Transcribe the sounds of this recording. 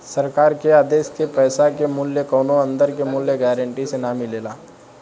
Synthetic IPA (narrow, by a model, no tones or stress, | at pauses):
səɾkaːɾkeaːd̪eːskepɛːsakemʊljəkɔːnoə̃nd̪əɾkemʊljəɡɛːɾəɳʈisenaːmileːlaː